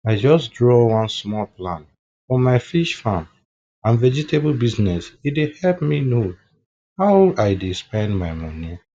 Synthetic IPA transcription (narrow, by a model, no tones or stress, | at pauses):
aɪd͡ʒɔsdɹɔwʌ̃nsmɔlplãn | fɔmaɪfiʃfãm | ãnvɛd͡ʒiteblbiznɛsidehɛlpmino | haʊaɪdespɛ̃ndmaɪmɔni